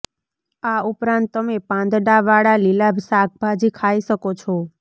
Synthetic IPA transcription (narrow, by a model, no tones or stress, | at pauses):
aupɾãnt̪ːəmepãnd̪ɖaʋaɭalilabʱsak̚ʰbʱad͡ʒikʰaiʃəkot͡ʃʰo